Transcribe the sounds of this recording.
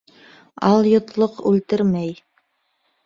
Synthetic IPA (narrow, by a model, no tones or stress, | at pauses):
ɑlˠjŏt̪lˠoqʉlt̪ɘɾmæj